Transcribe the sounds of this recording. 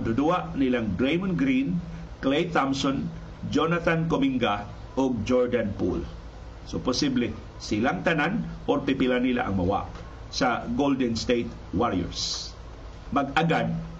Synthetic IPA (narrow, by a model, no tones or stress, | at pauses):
d̪ʊd̪uaʔnilaŋɡɾejmonɡɾin | klejt̪amsɔn | d͡ʒonat̪ankomiŋɡa | oɡ̚d͡ʒoɹd̪anpṵl | sopʊsiblɛ | sɪlaŋt̪ananʔorpɪpɪlanila̰ʔa̰ŋmawa̰ʔ | saɡold̪ɛnst̪ejt̪ | waɾɛ̰ɹs | maɡaɡad̪̚